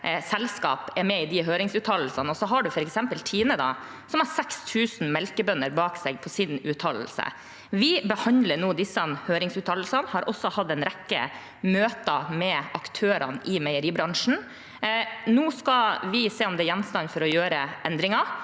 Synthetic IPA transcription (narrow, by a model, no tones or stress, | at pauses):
sɛlskɑ̰ːpɛɾmɛɪd̪ɪɦøːɾɪŋsʉːt̪ʰɑll̩sɑnɔsɔɦɑɖʉfɔɾɛksɛmpəlt̪ʰiːnəd̪ɑ̰ | sɔmɑɾsɛkst̪ʰʉːsn̩mɛlkəbœnəɾbɑːksɛːɡ̚pʰɔsɪnʉːt̪ʰɑll̩sə̰ | ʋɪbəhɑnd̪ləɳuːd̪ɪsənhøːɾɪŋsʉːt̪ʰɑll̩sɑnhɑɾʔɔsːɔhɑd̪ːɛnɾɛkːə̰ | møːt̪əmɛɑkt̪ʰøːɾɑ̰nʔɪmɛɪəɾiːbɾɑŋʂn̩ | nuːskɑʋɪseːɔmd̪ɛːɾjɛnːst̪ɑnfɔɾɔjøːɾəʔɛnd̪ɾɪŋɑ